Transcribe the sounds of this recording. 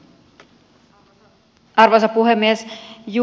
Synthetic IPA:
ɑrʋons̬ɑpːuɦemːiesju

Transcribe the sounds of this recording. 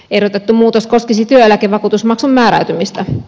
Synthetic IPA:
eɾot̪et̪ːumuːt̪oskoskisit̪yøelækeʋɑkuːt̪usmɑksumːæːɾæyt̪ymist̪æ

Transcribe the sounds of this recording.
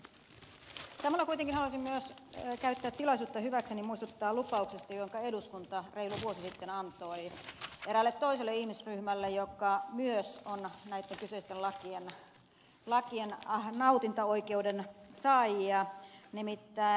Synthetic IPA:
sɑmɑlːɑkuit̪eŋkinhɑluɑsimmyøskæyt̪ːæːt̪t̪ːilɑisuːt̪ːɑhyʋæksenimuist̪ut̪ːɑːlupɑuksest̪ɑjoŋkɑeduskunt̪ɑreiluʋuosisit̪ːenɑnt̪oieɾælːet̪t̪ːoiselːeihmisryhmælːejokːˑɑmyøsonnæit̪ːeŋkysøist̪ellɑkien | lɑkiennɑut̪int̪ɑoikeudensɑːjiɑnimit̪ːæː

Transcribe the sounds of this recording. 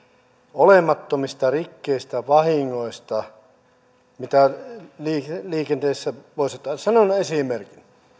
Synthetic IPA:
olemɑt̪ːomist̪ɑrikːeist̪æʋɑhiŋːoist̪ɑ | mit̪æliːliːkent̪eːsːæʋoˑset̪ːˑɑsɑnonesimerkin

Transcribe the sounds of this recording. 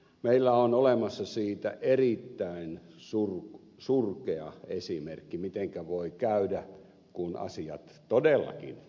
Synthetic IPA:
meilːæonolemɑsːɑsiːt̪æ̰ʔerit̪ːæinsur | surkeɑ̰esimerkːimit̪eŋkæʋoikæydæ | kunɑ̰siɑ̰t̪t̪odelːɑ̰kḭn

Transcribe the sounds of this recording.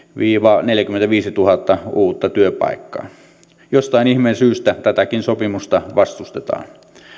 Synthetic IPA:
ʋiːʋɑneljækyment̪æʋiːsit̪uhɑt̪ːɑuːt̪ːɑt̪yøpɑ̰ikːɑ̰ː | jost̪ɑinihmensyːst̪æt̪æt̪ækinsopimust̪ɑʋɑst̪ust̪et̪ɑ̰ːn

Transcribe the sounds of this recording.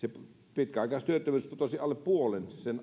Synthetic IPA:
sep | pit̪̚kæɑˑikɑst̪yøt̪ːømyˑsput̪osiɑlːeppuolensen

